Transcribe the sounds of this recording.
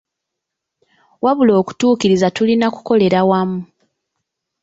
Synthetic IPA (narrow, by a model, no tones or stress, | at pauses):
waβulo̞ːku̥tuːkiɾizatulinaku̥ko̞le̞ɾawamu